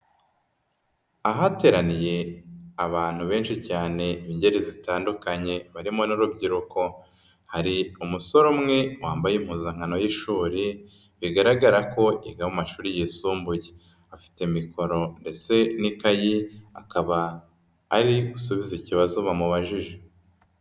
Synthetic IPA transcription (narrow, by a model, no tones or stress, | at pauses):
aɦate̞ːɾanije̞aβaːn̥huβe̞ːnʃicaːne̞iɲɟe̞ɾizitaːndukaɲe̞βaɾimonuɾubɟiɾuko̞ | haɾiumuso̞ɾomŋe̞waːmbajim̥huːzaŋ̥ano̞jiʃuːɾi | βiɡaɾaɡaɾako̞ʔiɡawumaʃuːɾijisuːmbuje | afi̥temikʰo̞ɾo̞nde̞t͡se̞nikajia̰kaβaː | ɾiɡusuβiziciβazuβamuβaʒiʒe